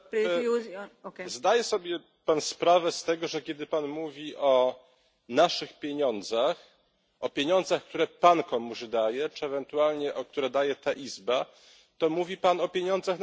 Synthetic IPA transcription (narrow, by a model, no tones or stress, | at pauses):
u | zd̪ajɛsɔbʲjɛ | panspɾavɛst̪ɛɡɔʐɛkʲjɛd̪ɘpanmuvʲiʔɔ | naʂɘxpʲjeɲɔnd̪zax | ɔpʲjeɲɔ̃nd̪zaxk̚t̪uɾɛpankɔmuʑd̪ajɛt͡ʂɘɛvɛnt̪ualɲɛʔɔk̚t̪uɾɛd̪ajɛt̪aʔizba | t̪ɔmuvʲipanɔpʲjeɲɔnd̪zaxn